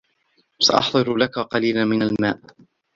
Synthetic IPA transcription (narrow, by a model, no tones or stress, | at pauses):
saʔɑħd̪ˤɨɾlakaqɑliːlamɪnalmaːʔ